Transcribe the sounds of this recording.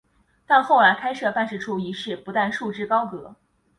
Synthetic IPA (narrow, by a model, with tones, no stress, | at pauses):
t̪a˥˧nxo˥˩ʊla˧˥ɪkʰa˥ɪʂɤ˥˩pa˥˧nʂɻ̩˥˩ʈ͡ʂʰu˥˩i˧˥ʂɻ̩˥˩pu˧˥t̪a˥˧nʂu˥˧ʈ͡ʂɻ̩˥˩kɑ˥ʊkɤ˧˥